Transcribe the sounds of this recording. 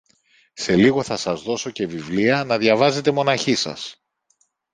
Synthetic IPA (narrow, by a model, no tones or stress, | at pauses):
se̞liɣo̞θɐsɐzðo̞so̞ce̞vivliɐnɐðʝɐvɐze̞t̪e̞mo̞nɐçisɐ̰s